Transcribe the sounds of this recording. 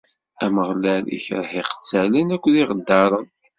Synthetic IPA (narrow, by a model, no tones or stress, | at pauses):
æməʁlælḭçɾħiqə̥t͡sːælinækʷːðiʁəd̪ːɑɾˤən